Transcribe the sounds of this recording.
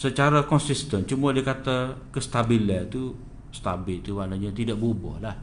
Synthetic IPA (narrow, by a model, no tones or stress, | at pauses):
sət͡ʃaɾakɔnsist̪ənt͡ʃumuadikat̪akəst̪abilət̪u | st̪abɪt̪uwalaɲat̪idaʔ̚bobɔ̰hlah